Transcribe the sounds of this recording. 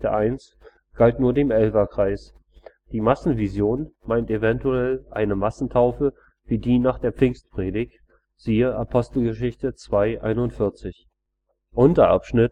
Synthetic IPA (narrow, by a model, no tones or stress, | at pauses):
təʔaɪns | ɡ̥altnuːɐdeːmʔɛlvɐkʁ̥aɪs | d̥iːmasn̩vizjoːnmaɪntevɛntuɛlʔa̰ɪnəmasn̩tʰaʊfə | v̥iːdiːnaːχd̥eːɐp͡fɪŋstpʁ̥eːdɪçt | z̥iːəʔapʰɔstl̩ɡəʃ̬ɪçtət͡sv̥aɪʔa̰ɪnʊntfɪɐt͡sɪç | ʔʊntɐʔa̰pʃnɪt